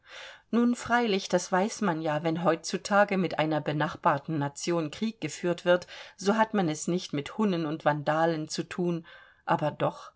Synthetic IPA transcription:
nuːnfʁ̥aɪlɪçd̥asv̥aɪsmanjaːvɛnɦɔʏt͡sutʰaːɡəmɪtʔaɪnɐbənaχb̥aːɐtn̩ːat͡sjoːnkʁ̥iːk̚ɡ̥əfyːɐtv̥ɪɐtz̥oːɦatmanɛsnɪçtmɪthʊnənʊntv̥andaːlənt͡sutʰuːn | ʔaːbɐdɔχ

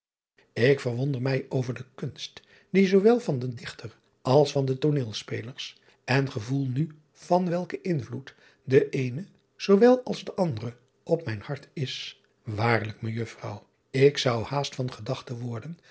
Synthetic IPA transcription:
ɪkfərʋɔndəɹmɛjʔowvəɹdəkɵnst | dizowʋɛlˠvɑndədɪχtər | ʔɑlˠsfɑndətonɪːlˠspejləɹs | ɛnχəvulˠny | v̥ɑnʋɛlˠkəʔɪnvlut | dəʔejnə | z̥owʋɛlˠɑlˠzdəʔɑndərə | ʔɔp̚mɛjnhɑɹtʰɪs | ʋaːɹlək̚məjɵfrɑw | ɪksʌwhaːstfɑnχədɑχtəʋɔɹdən

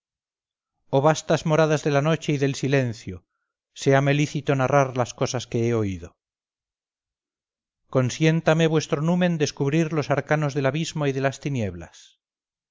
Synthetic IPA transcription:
oβast̪azmo̞ɾaðazðe̞lano̞t͡ʃe̞iðe̞lsile̞nθjo | se̞ame̞liθit̪o̞naraɾlasko̞saske̞eoiðo̞ | ko̞nsje̞nt̪ame̞β̞we̞st̪ɾonumẽ̞nd̪eskuβɾiɾlo̞saɾkano̞zðe̞laβizmoiðe̞last̪inje̞βla̰s

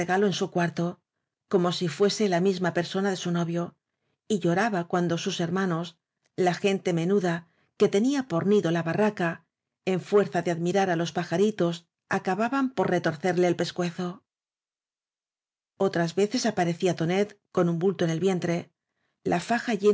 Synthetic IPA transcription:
eɣalo̞ensukwaɾt̪o̞ | ko̞mo̞sifwe̞se̞lamizmape̞ɾso̞naðe̞suno̞βjo̞ | iʎo̞ɾaβakwand̪o̞suse̞ɾmano̞s | laxe̞nt̪e̞me̞nuða | ke̞t̪e̞niapo̞ɾniðo̞laβaraka | e̞ɱfwe̞ɾθaðe̞aðmiɾaɾalo̞spaxaɾit̪o̞s | akaβaβampo̞ɾre̞t̪o̞ɾθe̞ɾle̞ːlpe̞skwe̞θo̞ | o̞t̪ɾazβe̞θe̞sapaɾe̞θiat̪o̞ne̞t̪ko̞numbult̪o̞ene̞lβje̞nt̪ɾe̞ | lʔafaxaʝe

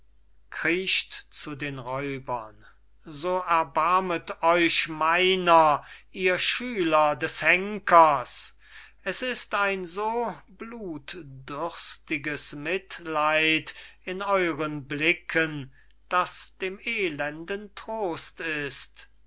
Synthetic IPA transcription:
kʁ̥iːʃtt͡sudeːnʁɔʏbɐn | zoːɛɐbaɐmətɔʏʃmaɪnɐʔiːɐʃyːlɐdɛshɛŋkʰɐs | ɛsɪstaɪnzoːbluːtdʏʁstɪɡəsmɪtlaɪtɪnɔʏʁənblɪkʰən | d̥asd̥eːmeːlɛndəntʁ̥oːstɪst

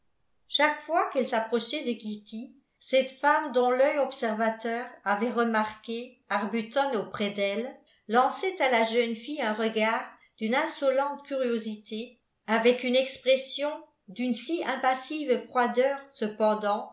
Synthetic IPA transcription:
ʃakfwakɛlsapχɔʃɛd̪əɡit̪i | sɛt̪famd̪ɔ̃lœjɔpsɛʁvat̪œːʁavɛʁəmaʁke | aʁbyt̪ɔnopχɛd̪ɛlː | ɑ̃sɛt̪alaʒœnfiɛ̃ʁəɡaːʁ | d̪̥ynɛ̃sɔlɑ̃t̪kʲyʁjozit̪ʰe | avɛkynɛkspχɛsjɔ̃ | d̪ynsiɛ̃pasivfχwad̪œːʁsəpɑ̃d̪ɑ̃

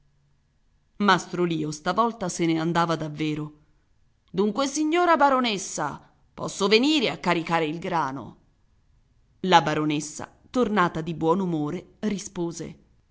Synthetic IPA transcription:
mast̪ɾoliːost̪avɔlt̪aseneand̪aːvad̪avːeːɾo | d̪uŋkwesiɲːoːɾabaɾonesːa̰ | pɔ̰sːoveniːɾeakːaɾikaːɾeilɡɾaːno̰ | labaɾonesːa̰ | t̪ornaːt̪ad̪ibwɔːnumoːɾerispoːzḛ

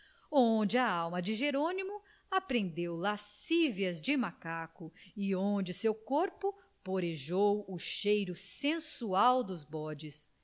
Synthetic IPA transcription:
õd͡ʒɪɐawmɐd͡ʒɪʒeɾõnimʊ | apɾẽnd̪ewlasiviɐzd͡ʒɪmakakʊiõd͡ʒɪsewkoɾpʊ | poɾeʒowʊʃejɾʊsẽsuawd̪ʊzbɔd͡ʒɪs

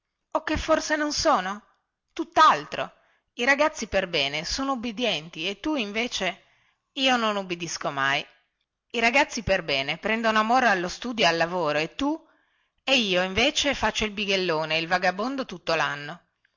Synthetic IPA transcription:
okːefːorsenonsoːno | t̪ut̪ːalt̪ɾo̰ | iɾaɡat̪sːiperbɛːnesoːnoubːid̪jɛnt̪iet̪ːuiɱveːt͡ʃe | iːononubːid̪iskomaj | iɾaɡat̪sːiperbɛːnepɾɛnd̪onoamoːɾoalːost̪uːd̪joalːavoːɾoet̪ːu | eiːoiɱveːt͡ʃefat͡ʃːoilbiɡelːoːneilvaɡabond̪ot̪ut̪ːolanːo

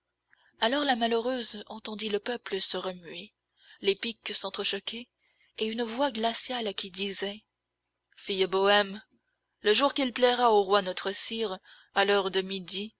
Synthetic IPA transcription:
alɔʁlamaløʁøzɑ̃t̪ɑ̃d̪iləpœpləsəʁəmɥe | lepiksɑ̃t̪χəʃɔkʲe | eynvwaɡlasjalkʲid̪izɛ | fijbɔɛm | ləʒuʁkilplɛʁaoʁwanɔt̪χəsiʁ | alœʁd̪əmid̪i

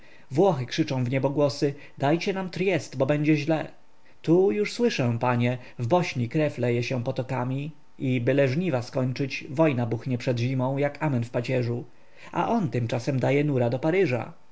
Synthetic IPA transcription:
vwɔxɘkʂɘt͡ʂɔ̃w̃vɲɛbɔɡwɔsɘ | d̪ajt͡ɕɛnamt̪ɾʲjɛst̪bɔbɛɲd͡ʑɛʑlɛ | t̪ujuʂswɘʂɛ̃paɲɛ | vbɔɕɲikɾɛflɛjɛɕɛpɔt̪ɔkamʲi | ibɘlɛʐɲivaskɔɲʲt͡ʂɘt͡ɕvɔjnabuxɲɛpʂɛd̪ʑimɔ̃w̃jakamɛnfpat͡ɕɛʐu | ʔa̰ʔɔnt̪ɘmt͡ʂasɛmd̪ajɛn̪uɾad̪ɔpaɾɘʐa̰

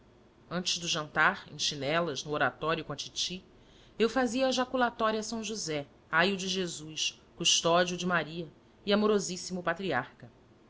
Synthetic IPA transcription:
ɐ̃nt͡ʃɪzd̪ʊʒɐ̃nt̪aɾḛ̃ʃinɛlɐznʊoɾat̪ɔɾjʊkõat͡ʃit͡ʃi | ewfaziɐeʒakulat̪ɔɾiɐsɐ̃w̃ʒuzɛ | ajud͡ʒɪʒezujs | kuʃt̪ɔd͡ʒiud͡ʒɪmaɾiɐ | iamoɾozisimʊpat̪ɾiaɾkɐ

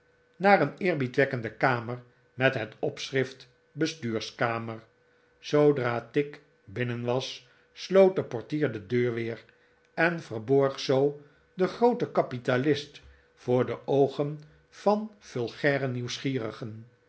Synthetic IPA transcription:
naːɾənɪːɹbitʋɛkəndəkaːməɹ | mɛtɦətɔpsrɪft | bəstyːɹskaːməɹ | sowdraːtɪk | bɪnənʋɑsː | lowt̚dəpɔɹtiːɹdədøːɹʋɪːr | ɛnvərbɔɹχsow | dəχrowtəkɑpitalɪst | fʊːɹdəʔowχən | v̥ɑnfɵlˠχɛːrəniwsχiːrəχən

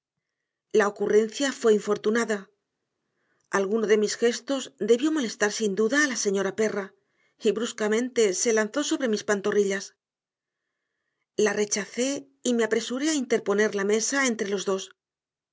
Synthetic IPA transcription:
lao̞kure̞n̟θjafwe̞iɱfo̞ɾt̪unaða | alɣunoðe̞misxe̞st̪o̞zd̪e̞βjo̞mo̞le̞st̪aɾsind̪uðaːlase̞ɲo̞ɾape̞ra | iβɾuskamẽ̞nt̪e̞se̞lanθo̞so̞β̞ɾe̞mispant̪o̞riʎas | lare̞t͡ʃaθe̞ | ime̞apɾe̞suɾe̞aint̪e̞ɾpo̞ne̞ɾlame̞sae̞nt̪ɾe̞lo̞zðo̞s

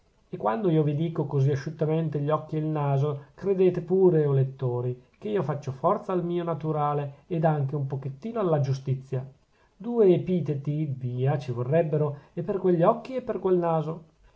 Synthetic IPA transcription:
ekːwand̪oiːovid̪iːkokoziaʃut̪ːament̪eʎːɔkːieilnaːzokɾed̪eːt̪epuːɾeolet̪ːoːɾikeiːofat͡ʃːofɔrt̪saːlmiːonat̪uɾaːleːd̪aŋk̟eumpoket̪ːiːnoalːad͡ʒust̪it̪sːja | d̪uːeːpiːt̪et̪iviːat͡ʃivorːɛbːeɾoepːerkweʎːɔkːiepːerkwelnaːzo

